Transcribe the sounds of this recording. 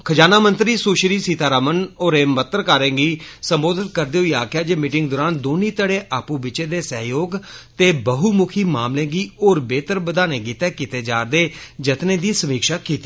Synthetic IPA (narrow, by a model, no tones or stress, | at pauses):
kʰəd͡ʒaːnaːmənt̪ɾiːsoːʃɾiːsiːt̪aːɾaːmənoːɾeːmət̪əɾkaːɾẽːɡiːsəmboːd̪ɪt̪̚kəɾd̪eːɦʊiːaːkjaːd͡ʒeːmiːʈɪŋɡd̪oːɾaːnd̪oːniːt̪əɽeːʔaːpũːbɪt͡ʃeːd̪eːsəɦjoːɡt̪eːbəɦuːmʊkʰiːmaːmlẽːɡiːoːɾbeːt̪əɾbəd̪aːnẽːɡiːt̪ɛːkɪt̪eːd͡ʒaːɾd̪eːd͡ʒət̪neːd̪iːsəmiːkʃaːkiːt̪iː